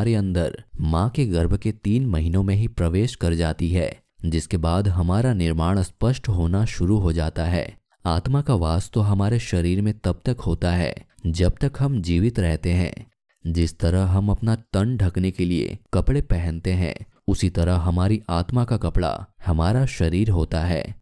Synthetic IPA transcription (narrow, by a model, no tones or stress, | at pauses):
ɾeɐ̃nd̪əɾmãːkeɡɐɾbʱket̪iːnmɐɦinõmẽɦipɾɐʋeːʃkɐɾd͡ʒaːt̪iɦɛ̰ː | d͡ʒɪskebaːd̪ɦɐmaːɾanɪɾmaːɽ̃spəʃʈɦoːnaʃʊɾuɦod͡ʒaːt̪aɦɛ̰ː | aːt̪makaʋaːst̪oɦɐmaːɾeʃɐɾiːɾmẽt̪ɐb̚t̪ɐkɦoːt̪aɦɛ̰ːd͡ʒɐb̚t̪ɐkɦɐmd͡ʒiːʋɪt̪ɾɛɦt̪eɦɛ̰̃ː | d͡ʒɪst̪ɐɾəɦɦɐmɐpnat̪ɐ̃ɳɖɖʱɐknekeliḛkɐpɽepɛɦɛ̃nt̪eɦɛ̰̃ː | ʊsit̪ɐɾəɦɦɐmaːɾiʔaːt̪makakɐpɽa̰hɐmaːɾaʃɐɾiːɾɦoːt̪aɦɛ̰ː